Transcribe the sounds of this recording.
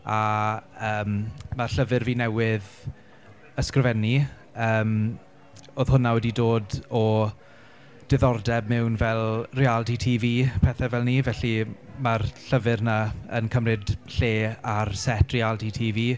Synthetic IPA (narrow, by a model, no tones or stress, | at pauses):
aəːmmarɬəvɪrviːnɛwɪð | əskrvɛni | əːm | oːð̥hʊnawɛdidoːdɔ | d̥ɪðɔrdɛbmɛwnvɛlˠrialˠditʰiːviːpʰɛθɛvɛlˠniːvɛɬimarɬəvɪrnaənkʰəmrɪd̥ɬeːarsɛtʰrɪalˠditʰiːviː